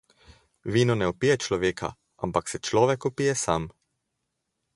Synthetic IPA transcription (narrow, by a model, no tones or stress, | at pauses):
ʋiːnɔnɛɔpijɛt͡ʃlɔʋeːkʰa̰ | ʔa̰mpaksɛt͡ʃlɔːʋɛkɔpijɛsam